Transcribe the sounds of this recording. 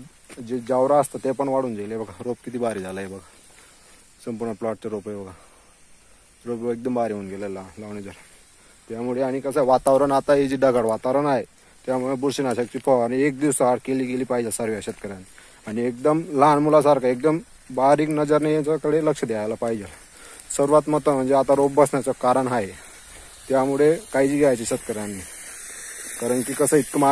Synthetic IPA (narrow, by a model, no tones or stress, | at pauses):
d͡ʑed͡ʑaʋɾaəst̪at̪epəɳʋaɽuːnd͡ʑalebəɡaɾop̚kit̪ʰiːbaɾid͡zalaebʱəɡa | səmpuɾɳəplɔʈ̚t͡ɕaɾopebəɡa | ɾopek̚d̪əmbaɾiɦonɡelalanlaʋnəd͡zəɾ | t̪jamuɭeaɽ̃ikəsaʋat̪aʋɾəɳat̪aed͡ʑiːɖəɡaɽʋat̪aʋɾənaɦe | t̪jamuɭebuɾɕinaɕak̚t͡ɕiːfɔaɽ̃iek̚d̪iʋsəɦaɽkeliːɡeliːpaɦid͡ʑasəɾʋaɕət̪̚kəɾani | aɽ̃iek̚d̪əmlanmulasaɾkaek̚d̪əm | baɦɾiːknəd͡zəɾnejat͡sakəɽeləkʂəd̪eajlapaɦid͡ʑa | səɾʋat̪mət̪əm̤əɳd͡zeat̪aɾobbəsnjat͡sɔkaɾəɳɦae | t̪jamuɭekaid͡ʑiːɡʱeajt͡ɕiɕət̪̚kəɾanːi | kaɾəɳkiːkəsəit̪̚kəma